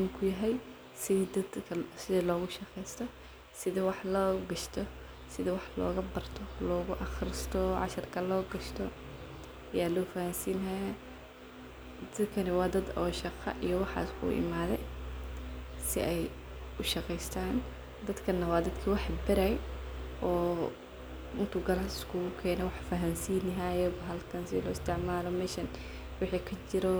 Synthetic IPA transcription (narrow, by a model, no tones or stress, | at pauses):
mkʰʊjɐɦɛj | sɪd̪ɐd̪kʰsɪðɐlɔːɣʊʃɑqɛjst̪ʰɔ | sɪðɐwɑħlɔːɡɐʃt̪ʰɔ | sɪðɐwɑħlɔ̰ːɣɐbɐrt̪ʰɔlɔːɣʊʔɑxrɪst̪ʰɔʕɑ̰ʃɐrkʰɐlɔːɡɐʃt̪ʰɔ | ɐjaːlɔːfɐhansiːnɐja | d̪ɐd̪kʰɐnɪwɑːd̪ɐd̪ɔːʃɑqɑ̰ʔijɔwɑħɑ̰ːskʰṵːʔɪ̰maːðɛj | sɪʔɛj | ʔʊʃɑqɛjst̪ʰaːn | d̪ɐd̪kʰɐnːɐwɑːd̪ɐd̪kʰiwɑħbɐɾajʔɔː | ɪnt̪ʰuːɡɐlasɪ̥skʰuɣʊkʰɛːnɛwɑħfɐɦɐnsiːnɦajɔɦɐlkʰɐnsɪlɔːɪst̪ʰɪʕmaːlɔmɛːʃɐn | wɪħiːkʰɐt͡ʃɪɾɔ